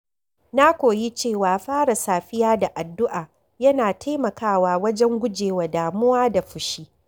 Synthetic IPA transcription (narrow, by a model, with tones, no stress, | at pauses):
na˦kʷoː˨ji˦t͡ʃeː˦˨waː˨ɸaː˦ɽa˨saː˨ɸɪ˦jaː˦da˨ʔa˨dːʊ˦ʔaː˨ | jɐ˦naː˨tʰa˦jmɐ˨kaː˦˨waː˨wɐ˦d͡ʒɛ˦ŋɡʷʊ˦d͡ʒeː˨wa˨daː˨mʊ˦waː˦da˨ɸʊ˨ʃiː˦